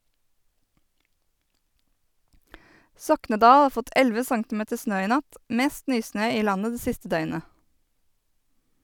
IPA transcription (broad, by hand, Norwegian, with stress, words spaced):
ˈsɔknəˌdɑː ˈɑːɾ ˈfɔt ˈʔɛlʋə ˈsɑŋtɪˌmeːtə ˈsnøː ˈiː ˈnɑt ˈmeːst ˈnyːˌsnøː ˈiː ˈlɑnə ˈdeː ˈsɪstə ˈdœʏnə